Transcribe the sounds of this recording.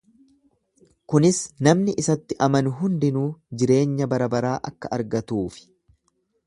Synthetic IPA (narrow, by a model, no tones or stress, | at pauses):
kʊnɪsnɐmnɪʔɪsɐt̪ːɪʔɐmɐnʊɦʊnd̪ɪnuːd͡ʒɪɾe̞ːɲːɐbɐɾɐbɐɾaːʔɐ̰kːɐʔɐɾɡɐt̪uːfɪ̥